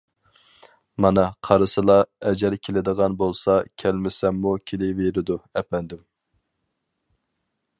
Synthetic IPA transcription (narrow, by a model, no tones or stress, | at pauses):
mɑnɑqʰɑɾɨsɨlˠɑɛd͡ʒɛɾkʲʰelɪd̪əʁɑnbolˠsɑkʲʰælmɪsɛmːukʲʰelɪveɾɪd̪uɛpɛnd̪ɪm